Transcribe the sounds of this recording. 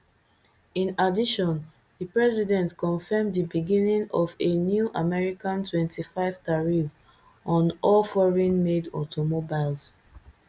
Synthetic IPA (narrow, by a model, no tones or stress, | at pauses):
ĩnadiʃɔ̃n | ðipɹɛzidɛ̃ntkɔ̃nfɛmdibiɡĩnĩŋɔvenjuʔamɛɹikãntwɛ̃ntifaɪv̥taɹiv | ɔ̃nɔlfɔɹĩnmedɔtʰomobaɪlz